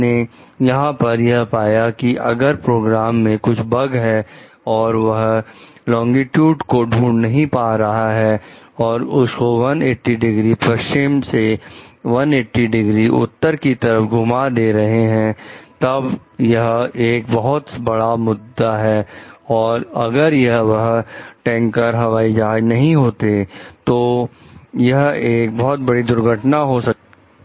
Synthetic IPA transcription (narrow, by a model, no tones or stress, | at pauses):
ne | jɐɦãpɐɾjɐɦpaːjakiʔɐɡəɾpɾoːɡɾaːmːẽkʊt͡ʃʰbɐɡɦɛ | ɔːɾʋɐɦ | lɔ̃ːŋɡiʈjuːɖkoɖʱuːɳnɐɦĩpaːɾɐɦaɦɛ | ɔːɾʊskoʋɐneːʈːiɖɪɡɾipɾɐt͡ʃimseʋɐneːʈːiɖɪɡɾiʔʊ̰t̪ːəɾkit̪ɐɾəfɡʱʊmad̪eːɾɐɦeɦɛ̃t̪ɐbjɐɦeːk̚bɐɦʊt̪bɐɽamʊd̪ːaɦɛːɔːɾɐɡəɾjɐɦʋɐɦʈɛ̃ːŋkəɾɦɐʋaːid͡ʒaːd͡ʒnɐɦĩɦoːt̪et̪o | jɐɦeːkbɔɦʊt̪̚bɐɽid̪ʊɾɡʱəʈnaɦosɐk̚t̪